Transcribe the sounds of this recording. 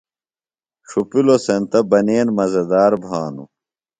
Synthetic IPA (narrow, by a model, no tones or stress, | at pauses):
ʂupilosent̪ɐbɐneːnmɐzɐd̪aːɾbʱaːnṵ